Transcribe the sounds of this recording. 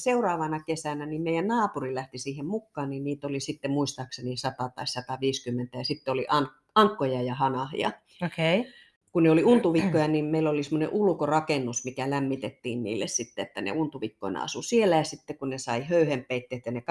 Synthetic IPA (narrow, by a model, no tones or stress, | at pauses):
seurɑːʋɑnɑkesænænimmeijænnɑːpurilæht̪isiːhemmukːɑːnninniːt̪olisit̪ːemuist̪ɑːksenisɑt̪ɑt̪ɑissɑt̪ɑʋiːskymːent̪æjɑsit̪ːeoliʔɑn | ɑŋkːojɑjɑhɑnɑhḭjɑ̰ | oke | kunneoliunt̪uʋikːojɑniːmmeilolisemːonḛʔulkorɑkenːusmikælæmːit̪et̪ːiːnnḭːlːḛssit̪ːeet̪ːænḛunt̪uʋikːo̰inɑ̰ɑ̰susielːˑæjɑsit̪ːekunnesɑihøyhemppeit̪ːeːt̪jɑnek